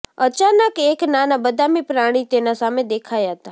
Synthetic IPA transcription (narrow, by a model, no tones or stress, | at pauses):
ət͡ʃanəkeknanabəd̪ʱamipɾaɽ̃it̪enasamed̪ekʰajaɦət̪a